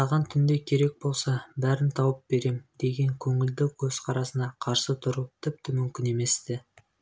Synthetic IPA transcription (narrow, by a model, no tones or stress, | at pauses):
sɑʁɑnt̪ʰʏnd̪e̞kʲʰe̞ɾe̞k̚bo̞lˠsɑbæɾɪnt̪ʰɑwəp̚be̞ɾe̞md̪e̞ɡʲe̞ŋkʲʰɵŋɪld̪ɪwkʲʰɵz̥qʰɑɾɑsənɑqʰɑɾsət̪ʰʊɾut̪ʰɪp̚t̪ɪmʏmkʲɪne̞me̞st̪ɪ